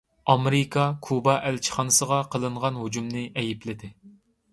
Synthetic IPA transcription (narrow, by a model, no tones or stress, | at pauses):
ɑmeɾɪkʰɑkʰubɑʔɛlt͡ʃʰə̥χɑnɨsəʁɑqʰəlˠɨɴʁɑnɦud͡ʒumnɪʔɛjiplɪd̪ɪ